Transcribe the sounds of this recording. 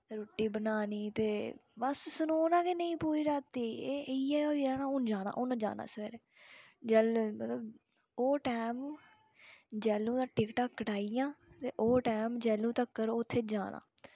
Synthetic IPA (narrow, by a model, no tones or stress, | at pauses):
ɾoːʈːiːbənaːniːt̪eːbəssənoːnãːkenəĩːpuːɾiːɾaːt̪ːiːeːijaːaːiɾaːnãːʊnd͡ʒaːna̰ːʔʊnːd͡ʒa̰ːna̰ːsʋɛːɾɛːd͡ʒɛlmət̪ləb | oːʈaːm | d͡ʒɛːlːũːd̪aːʈɪkʈaːkkːəʈaːijãːt̪eːʔoːʈɛːmd͡ʒɛːlːũːt̪əkːəɾot̪ʰːeːd͡ʒaːnʔa̰ː